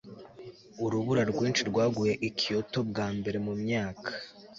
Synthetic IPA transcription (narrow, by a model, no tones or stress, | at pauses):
uɾuβuɾaɾɡwiːnt͡ʃiɾɡwaːɡuje̞ʔikʰioto̞bɡaːmbe̞ɾe̞mumɲaːkʰḁ